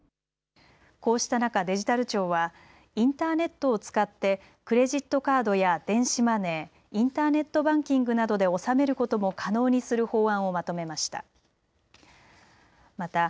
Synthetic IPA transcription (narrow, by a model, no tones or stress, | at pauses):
ko̞ːɕi̥t̪anakad̪e̞ʑit̪aɾɯ̟t͡ɕo̞ːβa | ĩnt̪aːne̞t̪ːo̞ːt͡sɨ̥kat̪ːe̞ | kɯ̟ɾe̞ʑit̪ːo̞kaːd̪o̞jad̪̥ẽ̞ɰ̃ɕimane̞ː | ĩnt̪aːne̞t̪ːo̞bãŋkʲĩŋɡɯ̟nad̪o̞d̪e̞o̞same̞ɾɯ̟ko̞t̪o̞mo̞kʰano̞ːɲ̟isɨɾɯ̟ho̞ːãɰ̃o̞mat̪o̞me̞maɕi̥t̪a̰ | mat̪a